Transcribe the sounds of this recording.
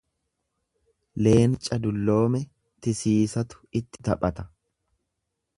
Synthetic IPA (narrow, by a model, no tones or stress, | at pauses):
le̞ːnt͡ʃʼɐd̪ʊlːo̞ːmɛ | t̪ɪsiːsɐt̪ʊ̥ɪt̪ːɪt̪ɐpʼːɐt̪ɐ̥